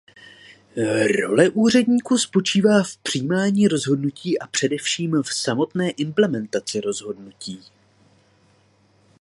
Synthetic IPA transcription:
ɾo̞̰lɛʔuːr̝ɛdɲiːkuspo̞t͡ʃiːvaːfpr̥iːmaːɲiːɾo̞zɦo̞dnuciːʔapr̝̥ɛdɛfʃiːmfsamo̞t̪nɛːʔɪmplɛmɛnt̪at͡sɪɾo̞zɦo̞dnuciː

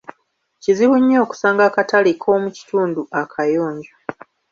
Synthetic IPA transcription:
ciziβuɲːo̞ːku̥saːŋɡakatalikʰo̞ːmuci̥tuːnduʔakʰajoːɲɟo

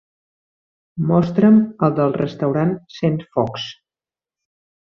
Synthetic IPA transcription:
mɔst̪ɾəməlˠd̪əlˠrə̰st̪əwɾansenfɔks

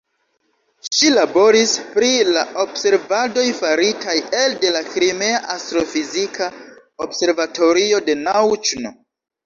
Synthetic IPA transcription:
ʃilabo̞ɾispɾilaʔo̞bse̞ɾvado̞jfaɾitʰajelde̞lakɾime̞aʔastɾo̞fizikʰa | obse̞ɾvatʰo̞ɾio̞de̞nawt͡ʃno

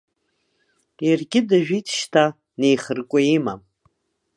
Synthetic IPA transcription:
jarɡʲɪdaʒᶣitʰʃtʰa | ne̞jχərkʷʼʊima

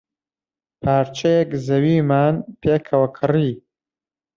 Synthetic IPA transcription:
pʰaːɾt͡ʃʰɐjekzɐwiːmaːnpʰeːkʰɐwɐkʰɨriː

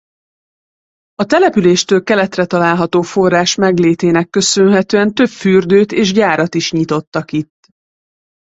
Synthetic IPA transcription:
ɒt̪ɛlɛpyleːʃt̪øːlkɛlɛt̪rɛt̪ɒlaːlɦɒt̪oːfo̞rːaːʃmɛɡleːt̪eːnɛkːø̞sønɦɛt̪øːɛnt̪ø̞pfyrd̪øːt̪eːʒɟaːɾɒt̪iʃɲit̪o̞t̪ːɒkit̪ː

